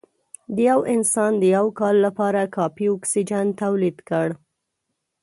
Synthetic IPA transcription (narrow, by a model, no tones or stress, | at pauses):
d̪əjawɪnsɑnd̪əjawkɑlːapɑɾakɑpiɔksid͡ʒant̪awlid̪kəɽ